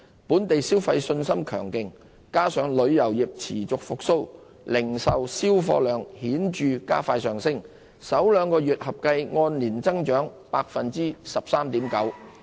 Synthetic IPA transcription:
puː˨˥nt̪e˨jsiː˥wfɐ˧jsɵ˧nsɐ˥mkʰœː˨˩ŋkɪ˨ŋ | kaː˥sœː˨˧ŋlɵ˨˧ɥjɐ˨˩wji˨p̚t͡sʰiː˨˩t͡sʊ˨k̚fʊ˨k̚so˥w | lɪ˨˩ŋsɐ˨wsiː˥wfɔ̰ː˧lœː˨ŋhiː˨˥nt͡ʃyː˨ka̰ː˥faː˧jsœː˨ŋsɪ˥ŋ | sɐ˨˥wlœː˨˧ŋkɔː˧ɥyː˨t̚hɐ˨p̚kɐ˧jŋɔː˧nliː˨˩nt͡sɐ˥ŋt͡ʃœː˨˥ŋpaː˧k̚fɐ˨nt͡siː˥sɐ˨p̚saː˥mt̪iː˨˥mkɐ˨˥w

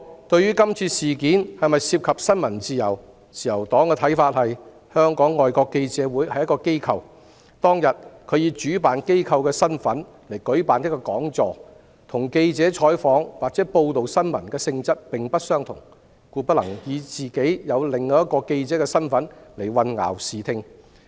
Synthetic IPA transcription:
t̪ɵ˧ɥjyː˥kɐ˥mt͡sʰiː˧siː˨kiː˨˥nhɐ˨jmɐ˨jsiː˧p̚kʰɐ˨p̚sɐ˥nmɐ˨˩nt͡siː˨˧jɐ˨˩w | t͡sʰiː˨˩jɐ˨˩wt̪ɔː˨˥ŋkɛː˧t̪ʰɐ˨˥jfaː˧t̚hɐ˨j | hœː˥ŋkɔː˨˥ŋːɔː˨jkɔː˧kːe˧jt͡sɛː˨˥wuː˨˥jhɐ˨˩jɐ˥tkɔː˧ke˥jkʰɐ˨˧w | t̪ɔː˥ŋjɐ˨t̚kʰɵ˨˧ɥjiː˧t͡ʃyː˨˥paː˨nke˥jkʰɐ˧wkɛː˧sɐ˥nfɐ˨˥n | le˨˩jkɵ˨˥ɥpaː˨njkːɔ˧kɔː˨˥ŋt͡sɔː˨˧ | t̪ʰʊ˨˩ŋke˧jt͡sɛː˨˥t͡ʃʰɔː˨˥jfɔː˨˥ŋwaː˨˩k̚t͡sɛː˨˥po˧wt̪o˨wsɐ˥nmɐ˨˩nkɛː˧sɪ˧ŋt͡sɐ˥t̚pɪ˨ŋpɐ˥t̚sœː˥ŋt̪ʰʊ̰˨˩ŋ | kuː˧pɐ˥lɐ̰˨˩ŋjiː˨˧t͡siː˨ke˨˥jjɐ˨˧wlɪ˨ŋːɐ˨˥jɐ˥t̚kɔː˧ke˧jt͡sɛː˨˥kɛː˧sɐ˥nfɐ˨˥nle˨˩jwɐ˧nŋa̰ː˨˩wsiː˨˩t̪ʰɪ˧ŋ

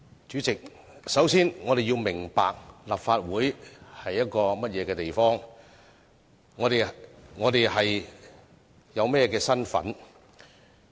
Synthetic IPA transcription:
t͡ʃyː˨˥t͡sɪ˨k̚ | sɐ˨˥wsiː˥nŋɔː˨˧ɾe˨jiː˧wmɪ˨˩ŋpa̰ː˨k̚laː˨pfaː˧t̚wuː˨˥jhɐ˨jːɐ˥t̚kɔː˧mɐ˥t̚jɛː˨˧kɛː˧t̪e˨jfɔː˥ŋ | ŋːɔː˨˧t̪e˨jŋɔː˨˧t̪e˨jhɐ˨j | jɐ˨˧wmɛː˥kɛː˧sɐ˥nfɐ̰˨˥n

